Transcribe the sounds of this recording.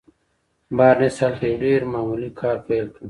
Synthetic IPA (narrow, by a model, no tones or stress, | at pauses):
baːɾnesalfeɖeːɾmaːmulikʰaːɾpeːlku